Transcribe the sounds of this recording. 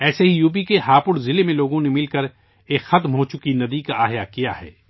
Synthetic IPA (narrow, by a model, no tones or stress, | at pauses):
ɛːseɦijuːp̬ikeɦaːpʊɽzɪlemẽloːɡõnemɪlkɐɾ | eːkxɐt̪mɦot͡ʃʊkinɐd̪ikaʔaːɦjakija̰ɦɛ̰ː